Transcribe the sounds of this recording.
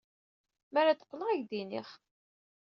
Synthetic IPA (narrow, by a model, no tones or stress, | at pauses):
mæɾæt͡s̪ə̥qʷːləʁæʝd̪inḭχ